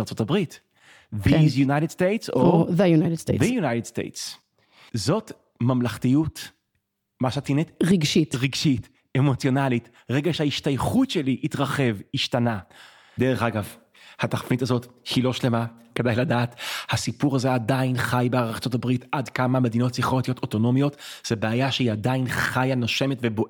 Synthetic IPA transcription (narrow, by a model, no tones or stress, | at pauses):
ʁt͡so̞tabʁit | vizjunajtedstejtsoðejunajtedst̪ḛvejunajtedst̪ḛjts | zo̞t | mamlaχtijut | maʃat̪inetʁiɡʃitʁiɡʃit | emo̞t͡sjo̞nalit | ʁeɡaʃehaiʃtajχutʃeliʔitʁaχe̞viʃtana | d̪eʁeχaɡav | hataχfnitazo̞thilo̞ʃle̞makedajladaːthasipuʁaze̞adainχajbeaʁaχt͡so̞tabʁitadkamame̞d̪ino̞tsiχot̪ijo̞toto̞no̞mjo̞tz̥ebeajaʃeiadainχajanaʃe̞metvebo